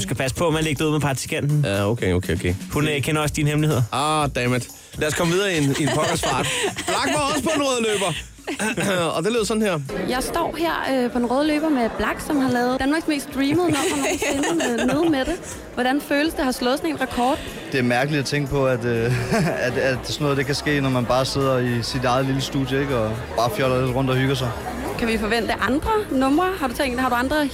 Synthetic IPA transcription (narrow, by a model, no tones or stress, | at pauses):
usɡ̥æpʰæs̬ə̥pʰɒ̽mænleɡ̥̚d̥əuð̰ˠmepʰɑ̈ɡt͡sʰi̥kʰæn̰d̥n̩æokʰeokʰḛokʰehunkʰenɐɒ̽sd̥inəhemlihe̝ð̰ˠɐɑd̥ɛmed̥ | læɐskʰɒ̽mʋiðˠɐːieniepʰɒ̽ɡ̥əsb̥ɑ̈d̥b̥lɑ̈ɡ̥maɒ̽səpʰɒ̽enʁɔðˠlø̰ːb̥ɐ | ɒd̥e̝le̝ð̰ˠsɒ̥̽n̩heɐ̰jɑ̈ɪsd̥ɒ̰ːɦeɐ̰øpʰɒ̽enʁɔːð̞ˠlø̰ːb̥ɐmeb̥lɑ̈ɡ̥sɒ̽mhɑ̈lɛːʊð̩ˠdænmɑ̈ːɡ̥sme̝̰ːsd̥ʁiːməðˠnɒ̽ænenneðˠmed̥e̝ | ʋɒɾ̥ænføːləsd̥eɦhɑ̈slɔ̽ð̩ˠsɒ̽ne̝ːnʁɑkʰɒːd̥ | d̥e̝æɐmæɐɡ̥əlid̥æt͡sʰeŋɡ̥əpʰɒ̽æd̥øæd̥æd̥sɒno̽ːð̞̩ˠd̥e̝kʰæsɡ̥e̝̰ːnɒmænb̥ɑ̈ːse̝ð̞̰ˠɐisid̥ɑ̈ɪð̞̩ˠliləsd̥ṵːdˠjəe̝ɡ̥ɒ̽b̥ɑ̈ːfjɒlɐle̝d̥ʁɔ̽n̰d̥ɒhyɡ̥ɐs̬ɑ̈ɪ | kʰæʋifɒ̽ʋen̰d̥əʔɑ̈nd̥ʁɐnɔ̽m̰ʁɐhɑ̈ɾ̥ut͡sʰeŋ̰d̥hɑ̈ɾuɑ̈nd̥ʁɐ